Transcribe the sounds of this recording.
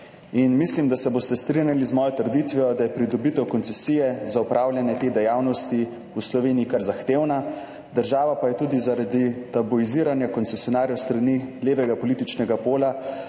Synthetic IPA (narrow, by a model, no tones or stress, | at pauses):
inmislimd̪asɛboːst̪ɛst̪ɾinjalizmɔːjɔt̪əɾd̪it̪ʋɛjɔd̪ajɛpɾid̪ɔbit̪ɛwkɔnsɛsijɛzaupɾʔaːwlʲjɛnjɛt̪ed̪ɛjaːwnɔst̪i | uslɔʋeːniikaɾzaxt̪eːwna | d̪əɾʒaːʋapajɛt̪uːd̪izaɾad̪it̪abuiziːɾanjakɔnt̪sɛsjɔnaːɾjɔwst̪ɾanileːʋɛɡapɔlit̪it͡ʃnɛɡapoːla